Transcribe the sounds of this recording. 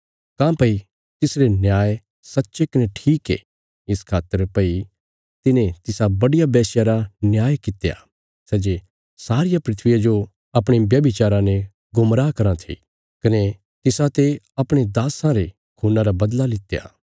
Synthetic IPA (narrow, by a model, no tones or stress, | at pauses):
kãːpɐi | t̪ɪsɾenjaːj | sɐtːʃekɐneʈʰiːkḛ | ɪskʰaːt̪ːəɾpɐi | t̪ɪnẽt̪ɪsabɐɽɪjabɛːsjaɾanjaːjkɪt̪eja̰ | sɛːd͡ʒe | saːɾɪjapɾɪt̪ʰʋɪjad͡ʒo | ɐpɽ̃eʋjɐbit͡ʃaːɾãne | ɡʊmɾaːkɐɾãt̪ʰḭ | kɐne | t̪ɪsat̪e | ɐpɽ̃ed̪aːsãɾe | kʰuːnãɾabɐd̪lalɪt̪ːeja̰ː